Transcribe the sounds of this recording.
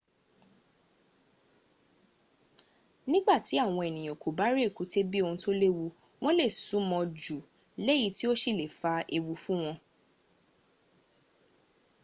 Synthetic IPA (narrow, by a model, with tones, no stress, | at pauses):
nĩ˦ɡ͡ba˦˨ti˨˦a˦˨w̃ɔ̃˧e˨nĩ˨ko˨ba˦ɾi˦e˦˨ku˨˦te˦bi˦o˧hũ˧to˦le˦wu˧ | w̃ɔ̃˦le˦˨sũ˨˦mɔ̃˧d͡ʒu˨ | le˦ji˨˦ti˦o˦ʃi˦˨le˨fa˧ʔe˧wu˧fũ˦w̃ɔ̃˧